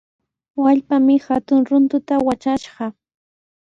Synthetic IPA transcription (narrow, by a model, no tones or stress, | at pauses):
waʎpamɪxat̪ʊŋɾʊnt̪ʊt̪awat͡ʃaʃɢɑ